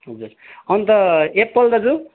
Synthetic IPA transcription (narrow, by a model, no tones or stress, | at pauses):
ɦʌd͡zuɾʌnt̪ʌepːʌld̪ʌd͡zu